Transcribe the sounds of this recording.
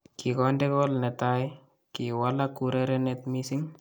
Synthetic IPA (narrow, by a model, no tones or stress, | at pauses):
kikɔndɛkɔlnet̪aj | kiwalakuɾeɾenet̪misiŋ